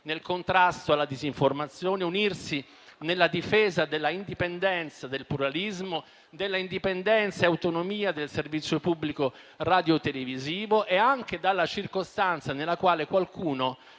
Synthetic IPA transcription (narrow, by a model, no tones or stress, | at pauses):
nelkont̪ɾast̪oalːad̪iziɱformat̪sːjoːneunirsi | nelːad̪ifɛːzad̪elːaind̪ipend̪ɛnt̪sad̪elpluɾalizmo | d̪elːaind̪ipend̪ɛnt̪saeawt̪onomiːad̪elservit̪sːjopubːliko | rad̪jot̪eleviziːvoʔeaŋk̟ed̪alːat͡ʃirkost̪ant̪sanelːakwaːlekwalkʰuːno